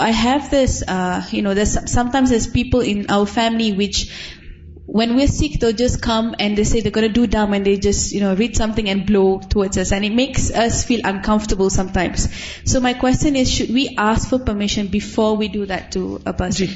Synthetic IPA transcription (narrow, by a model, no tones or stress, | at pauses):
aɪɦɛvd̪ɪsʌjunod̪ɛssãmtãɪ̃ms̬ɛspipəlɪ̃nʔa̰wəfɛ̃mliwɪt͡ʃ | wɛ̃nwiəsik̚d̪eld͡ʒaskʰãmɛ̃nd̪esed̪ɛɡonədudãmɛ̃nd̪ed͡ʒasjunoɹitsãmt̪ɪ̃ŋɛ̃nblotʰuɔdsasɛ̃nɪt̚meksasfilʔãnkʰãɱftəbəlsãmtãɪ̃msː | omaɪkwɛstjə̃nɪsʃud̚wiʔaskfɔpəmɪʃə̃nbifɔwidud̪ɛtʰːuə̰bəsi